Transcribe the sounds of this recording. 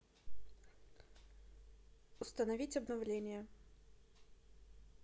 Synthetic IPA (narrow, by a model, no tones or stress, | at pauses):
ʊst̪ənɐvʲitʲɐbnɐvlʲenʲɪjə